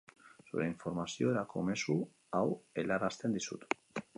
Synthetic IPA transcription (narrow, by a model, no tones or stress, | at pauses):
sṵɾe̞iɱfo̞ɾmasio̞eɾako̞̰me̞su | awe̞laɾast̪e̞nd̪isṵt̪